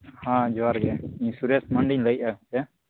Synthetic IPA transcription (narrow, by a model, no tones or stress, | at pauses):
hãd͡ʒɔaɾɡɛĩɲsuɾɛsməɳɖiɲləiat̪ɛ